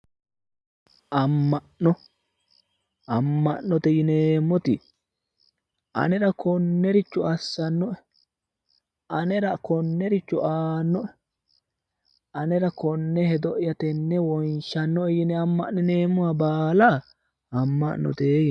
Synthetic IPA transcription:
ʔɐmːɐʔnɔ | ɐmːɐʔnɔt̪ɛjɪneːmːɔt̪ɪ | ɐ̰nɛɾɐkɔnːɛɾɪt͡ʃːʊɐsːɐnːɔʔɛ | ɐnɛɾɐkɔnːɛɾɪt͡ʃːʊaːnːɔʔɛ | ɐnɛɾɐkɔnːɛhɛd̪ɔʔjɐt̪ɛnːɛwɔnʃɐnːɔɛjɪnɛɐmːɐ̰ʔnɛneːmːʊabaːla | ɐmːɐ̰ʔnːɔ̰t̪eːj

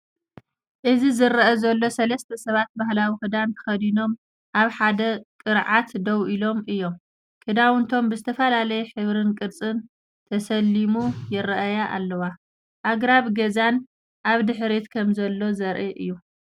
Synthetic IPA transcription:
ʔɨzizɨɾʔɐzɐlːo̞sɐlɐst̪ʰɐsɐβat̪̚bahlawikɨd̪ankʰɨ̥xɐd̪ino̞m | ʔaβħad̪ɐkʼɨɾʕat̪d̪ɐwʔilo̞mɨjːo̞m | kʰɨd̪awɨnt̪ʰo̞mbɨzɨt̪ʰɐfɐlalɐjɛħɨβɾɨnkʼɨɾt͡sʼɨn | t̪ʰɐsɐlːimujɪɾɐʔɐjaʔa̰lːɐwa | ʔaɡɾaβɡɐzan | ʔaβd̪ɨħɾet̪kʰɐmzɐlːo̞zɐɾʔiʔɨ̰jːu

